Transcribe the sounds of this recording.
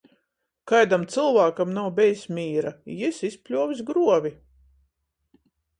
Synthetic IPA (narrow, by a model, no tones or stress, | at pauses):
kajd̪amt̪sɨlˠvaːkamnawbʲɛjsmʲiːɾaisispʲlʲuɔvʲis̬ɡɾuɔvʲi